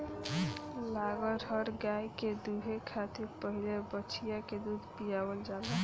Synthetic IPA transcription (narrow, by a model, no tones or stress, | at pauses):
laɡəɾɦəɾɡajked̪uɦekʰat̪iɾpəɦilebət͡ʃʰijaked̪ud̪ʱpijabəld͡ʒale